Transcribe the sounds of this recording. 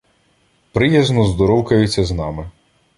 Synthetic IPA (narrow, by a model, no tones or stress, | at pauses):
pɾɪjɛznɔzd̪ɔɾɔwkɐjʊt͡sʲːɐznɑmɪ